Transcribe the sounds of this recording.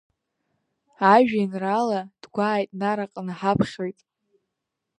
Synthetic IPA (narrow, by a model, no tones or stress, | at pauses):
aʒᶣajnralad̥ɡʷaːjtʼnaɾaqʼanaħapʰχʲojtʼ